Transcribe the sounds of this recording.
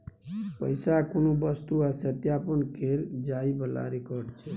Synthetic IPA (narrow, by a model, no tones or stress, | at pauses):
pəjsakonobəst̪uasət̪japənkʰeɾd͡ʒaibəla̰ɾekɔɾɖt͡ʃʰɛ